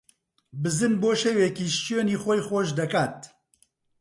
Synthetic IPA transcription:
bɨzɨnboːʃeweːkiːʃt͡ʃjoːniːxɔjxʷoʃd̪ɐkaːt̪̚

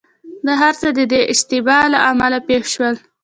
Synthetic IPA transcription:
d̪əɦaɾt͡səd̪əd̪eʔɪʃt̪ɪbɑlaʔamalapexʃwəl

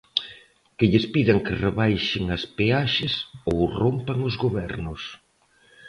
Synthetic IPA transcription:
kɪʎɪspiðɐŋkɪreβajʃɪŋɐspeaʃɪsowrompaŋozɣoβɛɾnʊs

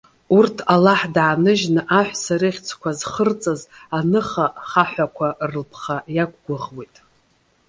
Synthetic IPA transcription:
urtʰalaħdʕaːnɨʒnɨʔaħʷsaɾɨχʲt͡sʰkʷazχərt͡sʼazanɨχaχaħʷakʷʰarɨlpʰχajakʷɡʷʊʁwejtʼ

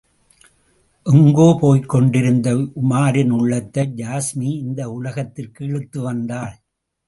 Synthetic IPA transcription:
ʔʊŋɡoːpoːjkːɔɳɖɪɾɯnd̪ɐʊmaːɾɪnʊɭːɐt̪ːɐd͡ʒaːsmiɪnd̪ɐʊlɐɣɐt̪ːɪrkɯɛɻɯt̪ːɯʋɐnd̪aːɭ

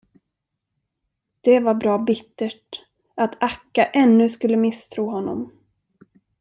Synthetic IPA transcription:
d̪̥ɛvaɾbɾɑːbɪt̪ːəʈ | at̪ʰakːaʔɛnːɵskɵlːəmɪst̪ʰɾuːɦɔnːɔ̰m

